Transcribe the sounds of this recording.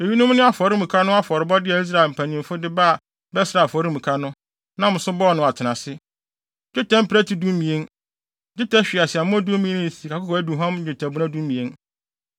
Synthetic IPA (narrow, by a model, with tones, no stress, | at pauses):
e˨ji˦nʊ̃˦m˦nʊ̃˦a˦fɔ˨ɾɪ˦mũ˨kʰa˦nʊ̃˦a˦fɔ˨ɾɪ˨bɔ˦dɪ˦ɛ˨i˦s̬ɾa˦˨lm̩˨pʰæ̃˨nɪ̃˨m˨fʊ˦dɪ˦ba˦a˨ | bɛ˦sɪ˨ɾa˨fɔ˨ɾi˦mũ˨kʰa˦nʊ̃˦ | nã˦mʊ̃˨sʊ̃˦bɔ˦˨nʊ̃˨a˨tʰɪ˨nã˨sɪ˦ | d͡ʒᶣɪ˦tʰɛ̃˦m̩˦pʰɾæ˦tʰi˨du˦mĩ˨e˦n | d͡ʑɪ˦ta˦ɕᶣi˨a˨sɪ˨a˨mʊ̃˦du˦mĩ˨˦ẽ˦nɪ̃˨si˨kʰa˨kʊ˦kɔ˨æ˦du˨ɦã˦m̩˦d͡ʑᶣɪ˨tʰa˨bu˦nã˦dũ˦m˦mːĩ˨e˦n